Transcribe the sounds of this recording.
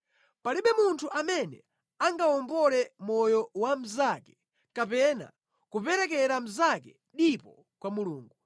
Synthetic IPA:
paliɓɛmuntʰuʔamɛnɛ̰ | aŋɡaɔmbɔlɛmɔjɔwam̩zakɛ̥ | kapɛna̰ | kupɛɾɛk̬ɛɾam̩zakɛ | ɗipɔ | kwamuluːŋɡu

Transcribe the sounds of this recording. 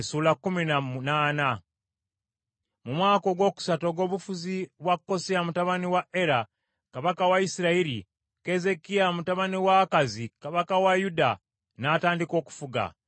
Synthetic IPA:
suːlakːuminamunaːna | mumwaːko̞ɡwo̞ːku̥sato̞ɡo̞ːβufuziβwakːo̞siamutaβaniwaʔeɾa | kaβakawaisiɾaiɾi | ke̞ze̞kijamutaβaniwakazikaβakawajuda | nataːndiko̞ːku̥fuɡa̰

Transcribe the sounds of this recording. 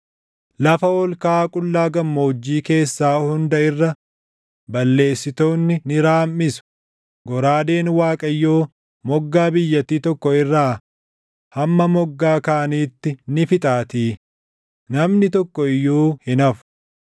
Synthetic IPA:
lɐfɐɔlkaːkʼʊlːaːɡɐmːoːd͡ʒːiːke̞ːsːaːhʊnd̪ɐɪrːɐ | bɐlːe̞ːsːɪt̪o̞ːnːɪnɪɾaːmːɪsʊ̥ | ɡɔɾaːd̪e̞ːnwaːkʼɐjːoː | mɔɡːaːbɪjːɐt̪ːiːt̪ɔkːɔɪrːaː | hɐmːɐmɔɡːaːkaːniːt̪ːɪnɪfɪt̪ʼaːt̪iː | nɐmnɪt̪ɔkːɔɪjːoːhɪnɐfʊ̥

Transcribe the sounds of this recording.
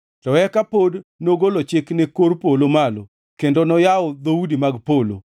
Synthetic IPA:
tɔɛkapodnoɡolot͡ʃɪknekoɾpolomalo̰ | kendonɔjaʊd̪oudimaɡpolo̰

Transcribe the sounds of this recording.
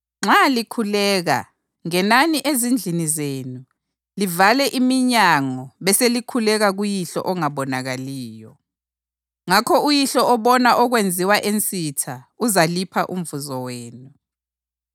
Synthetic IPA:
ŋ͡ǁalikʰulɛːɣa̰ | ŋɛnaniʔezind͡ɮʱinizeːnu | livalɛʔimiɲaŋɔβɛselikʰulɛɣaɣujiɬɔ̰ʔɔŋaβɔnaɣaliːjɔ | ŋakʰɔujiɬɔʔɔβɔnaʔɔɣwend͡zʱiwaʔent͡sʼitʰauzalipʰaʔum̩vuzɔweːnu

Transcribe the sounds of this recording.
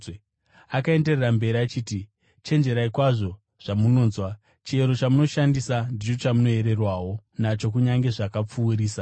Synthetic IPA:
akae̞nde̞rerambe̞ɾiat͡ʃiːti | t͡ʃe̞nd͡ʒe̞ɾaikwaʐo̞ | ʐ̥amuno̞ːnzwa | t͡ʃie̞ɾo̞t͡ʃamuno̞ʃandisandit͡ʃo̞t͡ʃamuno̞e̞ɾe̞rwaːwo̞nat͡ʃo̞k̬uɲaŋɡe̞ʐakap͡fuːɾiːsa

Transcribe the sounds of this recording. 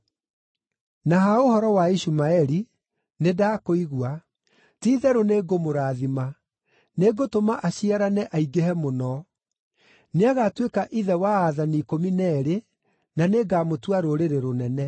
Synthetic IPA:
naɦaohɔɾɔwaiʃumaɛɾi | nedaːkoiɣua | tiːðɛɾoneːɡomoɾaːðima | neɡotomaʔaɕiaɾanɛʔaiɡehɛmonɔ | neaɣatwekaʔiðɛwaːðanikominɛɾe | naneɡaːmotwaɾoɾeɾeɾonɛnɛ

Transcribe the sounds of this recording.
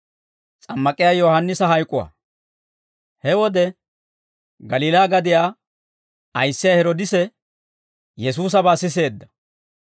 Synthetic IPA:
t͡sʼɐmːɐkʼɪjaːjɔːhɐnːɪsɐɦɐjkʼʊwa̰ː | hɛwɔd̪ɛ | ɡɐliːlaːɡɐd̪ɪjaː | ɐjsːɪjaːhɛɾɔd̪ɪsɛ | jɛsuːs̬ɐbaːsɪs̬e̞ːd̪ːɐ̥

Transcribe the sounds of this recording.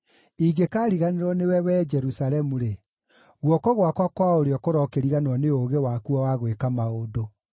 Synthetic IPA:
iɡekaːɾiɣaneɾɔnewɛwɛːd͡ʒɛɾusaɾɛmuɾe | ɣwɔkɔɣwakwakwaoɾeɔkoɾɔkeɾiɣanɔneoːɣewaːkuɔwaɣwekamaodo

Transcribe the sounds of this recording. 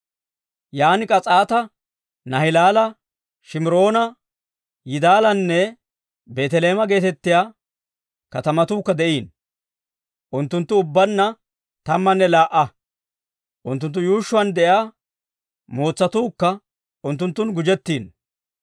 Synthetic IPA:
jaːnɪkʼɐt͡sʼaːt̪ɐ | nɐɦɪlaːlɐ | ʃɪmɪɾo̞ːnɐ | jɪd̪aːlɐnːɛ | be̞ːt̪ɛle̞ːmɐɡe̞ːt̪ɛt̪ːɪjaː | kɐt̪ɐmɐt̪uːkːɐd̪ɛʔiːn | ʔʊnt̪ːʊnt̪ːʊʊbːɐnːɐ | t̪ɐmːɐnːɛlaːʔɐ | ʔʊnt̪ːʊnt̪ːʊjuːʃːʊwɐnd̪ɛʔjaː | mo̞ːt͡sːɐt̪uːkːɐ | ʔʊnt̪ːʊnt̪ːʊnɡʊd͡ʒɛt̪ːiːn

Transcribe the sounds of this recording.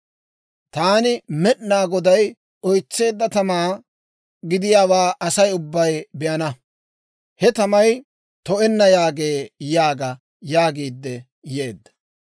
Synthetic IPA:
t̪aːnɪmɛʔnaːɡɔd̪ɐj | ɔjt͡sːe̞ːd̪ːɐt̪ɐmaː | ɡɪd̪ɪjaːwaːʔɐsɐjʊbːɐjbɛʔɐnɐ | hɛt̪ɐmɐj | t̪ɔɛnːɐjaːɡe̞ːjaːɡɐ | jaːɡiːd̪ːɛ | jeːd̪ːɐ̥

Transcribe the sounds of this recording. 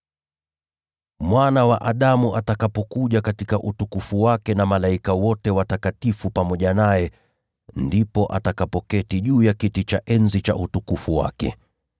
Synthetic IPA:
mwanawaʔaɗamuʔatakapɔkuʄakatikaʔutukufuwakɛnamalaikawɔtɛwatakatifupamɔʄanajɛ | ndipɔʔa̰takapɔkɛtiʄuːjakitit͡ʃaʔɛnzit͡ʃa̰ʔutukufuwa̰kɛ̰

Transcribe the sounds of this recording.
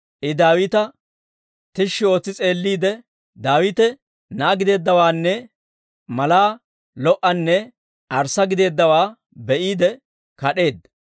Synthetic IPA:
ʔɪd̪aːwɪt̪ɐ | t̪ɪʃːɪo̞ːt͡sːɪt͡sʼe̞ːlːiːd̪ɛ | d̪aːwɪt̪ɛ | naːɡɪd̪e̞ːd̪ːɐwaːnːɛ | mɐlaː | lɔʔɐnːɛ | ɐɾsɐɡɪd̪e̞ːd̪ːɐwaː | bɛʔiːd̪ɛ | kɐɗe̞ːd̪ːɐ

